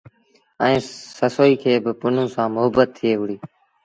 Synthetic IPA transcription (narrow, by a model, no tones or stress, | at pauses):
ɛ̃ẽːsəsoːiːkʰeːbɪpʊn̤ũːsãːmʊɦəbːət̪ʰːɪeːɦʊɽiː